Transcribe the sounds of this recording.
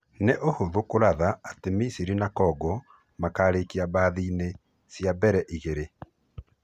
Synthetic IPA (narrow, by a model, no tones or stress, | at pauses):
neʔohoðokoɾaðaatemisiɾinakɔɡɔ | makaɾekiabaðiːne | sjabɛɾɛʔiɣeɾe